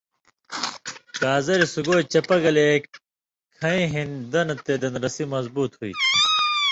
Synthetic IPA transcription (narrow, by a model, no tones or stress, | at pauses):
kaːzɐɾisuɡoːt͡ɕɐpɐɡɐlek | kʰɐĩɦĩnd̪ɐnɐt̪eːd̪ɐnɾɐsimɐzbuːt̪huḭt̪ʰi̥